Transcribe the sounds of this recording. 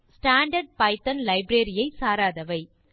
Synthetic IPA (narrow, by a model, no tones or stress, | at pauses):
sʈaːɳɖɐɾɖ̚pɐɪt̪ɐnlɐɪbɾeːɾɪjɐɪsaːɾaːðɐʋɐɪ